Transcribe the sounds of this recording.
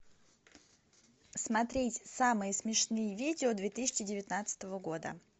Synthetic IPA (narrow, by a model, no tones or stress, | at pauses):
smɐt̪ɾʲetʲsamɨjəsmʲɪʂnɨjəvʲidʲɪod̪vʲet̪ɨsʲɪ̥t͡ɕːɪdʲɪvʲɪt̪nat̪sə̥t̪əvəɡo̞d̪ə̰